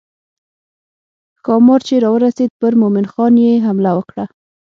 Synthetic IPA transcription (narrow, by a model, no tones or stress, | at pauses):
kɑmɑɾt͡ʃeɾɑwəɾased̪̚pəɾmomɪnxɑnjeɦamlawəkɽa